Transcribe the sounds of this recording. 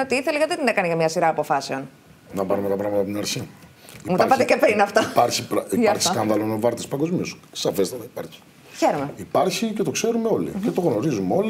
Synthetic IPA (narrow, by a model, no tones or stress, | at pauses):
ot̪iiθelekɐt̪et̪inɐkɐniʝɐmɲɐsiɾɐːpo̞fɐse̞o̞n | nɐpɐɾumet̪ɐpɾɐɣmɐt̪ɐpt̪inɐɾçi | imut̪ɐɾpɐt̪ecepɾinɐft̪ɐpɐɾçipɾɐipɐɾçi̥sskɐnðɐlonovɐɾt̪ispɐŋɡo̞zmiossɐfe̞st̪ɐt̪ɐipɐɾçi̥ | çeɾomeipɐɾçice̞t̪o̞kse̞ɾumeo̞lḭcet̪o̞ɣno̞ɾizumeo̞li